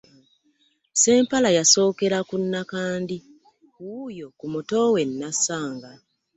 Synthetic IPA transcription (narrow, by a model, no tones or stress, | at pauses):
se̞ːmpalajaso̞ːke̞ɾakunːakaːndi | wuːjo̞kumuto̞we̞nːasaːŋɡa